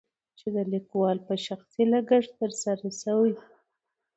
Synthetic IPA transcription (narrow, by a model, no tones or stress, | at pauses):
t͡ʃed̪əlikwɑlpəʃaxsilaɡəʐt̪əɾsaɾasawi